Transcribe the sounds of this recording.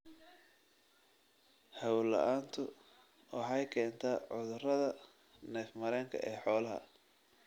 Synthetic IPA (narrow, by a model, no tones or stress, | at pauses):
hɐwlɐ̰ʔaːnt̪ʰʊ | wɑħɑjkʰɛːnt̪ʰaːʕʊðʊrɐðɐ | nɛːfmɐɾɛːŋkʰɐ̰ʔɛːħɔːlɐɦɐ̰